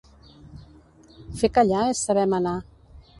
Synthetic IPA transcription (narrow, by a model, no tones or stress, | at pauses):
fekaʎaesːaβɛmana